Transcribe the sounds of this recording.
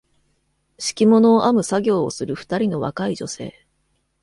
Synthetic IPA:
ɕi̥kʲimo̞no̞ːʔamɯ̟saɡʲo̞ːosɨɾɯ̟ɸɯ̟̥t̪aɾʲino̞βa̰kaid͡ʑo̞̰se̞̰ː

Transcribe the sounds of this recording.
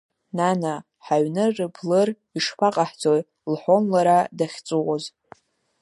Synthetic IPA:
nana | ħaɥnɨrɨbʰlɨr | iʂpʰaqʼaħt͡soj | lħonlaɾadaχʲt͡sʼuwoz

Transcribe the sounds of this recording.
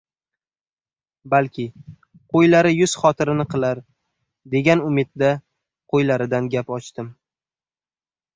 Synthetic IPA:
balkʲʰɪ | qʰojlaɾɪjʊz̥χɒt̪ʰɪɾɪnɪqʰɨlˠaɾ | d̪e̞ɡʲanʊmɪd̪̚d̪a | qʰojlaɾɪd̪anɡʲapɒt͡ʃt̪ɪm

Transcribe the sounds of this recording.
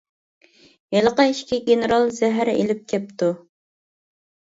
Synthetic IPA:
jelˠəqɑiʃkʲiɡʲenɨɾɑlˠzɛɦæɾḛlɪp̚kʲʰɛp̚t̪u

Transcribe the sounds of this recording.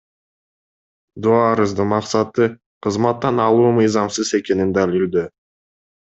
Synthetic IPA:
d̪uɑɾɯzd̪ɯmɑqsɑt̪ɯ | qʰəzmɑt̪ːɑnɑlˠuːmɨjzɑmsɯze̞ke̞nind̪ælild̪y

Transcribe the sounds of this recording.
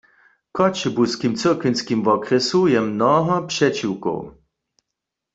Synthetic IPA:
kɔt͡ʃɛbuskimt͡səʁkʋinskimvɔkʁɛsujɛmnɔɦɔpʂɛt͡ʃiwko̰w

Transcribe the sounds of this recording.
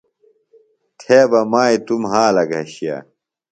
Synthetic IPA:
t̪ʰeːbɐmaːit̪umɦaːlɐɡɐɕija̰

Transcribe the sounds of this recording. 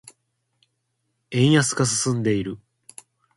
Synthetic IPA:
ẽ̞ɰ̃jasɨ̥ɡas̬ɨ̥sɨ̃nd̪e̞iɾɯ̟

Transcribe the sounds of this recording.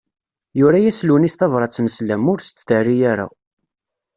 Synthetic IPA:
jʊɾæjæslwənisθɑvɾˤɑt͡sːənəslæmʊɾst̪d̪ərːijæɾæ̰

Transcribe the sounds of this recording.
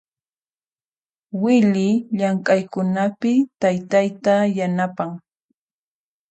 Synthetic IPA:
wɪlɪʎaŋkʼajkʊnapɪt̪ajt̪ajt̪ajanapaŋ

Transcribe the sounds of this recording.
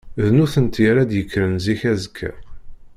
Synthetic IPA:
ðnuθənt̪jəɾæd̪jəkʰːɾənziçæzəkʰːæ̰

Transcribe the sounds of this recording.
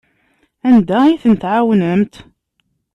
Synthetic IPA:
ænd̪æiθənt̪ʕawnəmt̪

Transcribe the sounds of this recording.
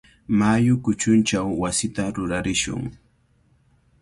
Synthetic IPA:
majʊkʊt͡ʃʊnt͡ʃawːasɪt̪aɾʊɾaɾɪʃʊ̰ŋ

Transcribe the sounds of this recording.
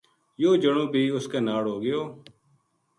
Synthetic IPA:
joːd͡ʒəɳõːbʱiːʊskeːnaːɽɦoːɡɪjoː

